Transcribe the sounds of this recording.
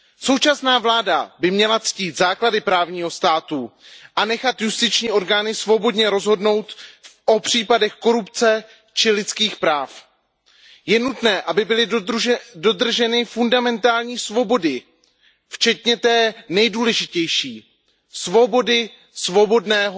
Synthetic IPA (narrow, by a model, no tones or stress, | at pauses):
so̞wt͡ʃasnaːvlaːdabɪmɲɛlat͡sciːt̪zaːkladɪpɾaːvɲiːɦo̞st̪aːt̪uʔanɛxat̪just̪ɪt͡ʃɲiːʔo̞ɾɡaːnɪsvo̞bo̞dɲɛɾo̞zɦo̞dno̞wt̪ʔo̞pr̝̥iːpadɛxko̞ɾupt͡sɛ | t͡ʃɪlɪt̪t͡skiːxpɾaːf | jɛnut̪nɛːʔabɪbɪlɪ | do̞d̪r̩ʒɛnɪfundamɛnt̪aːlɲiːsvo̞bo̞dɪ | ft͡ʃɛt̪ɲɛt̪ɛːnɛjduːlɛʒɪcɛjʃiː | svo̞bo̞dɪ | svo̞bo̞dnɛːɦ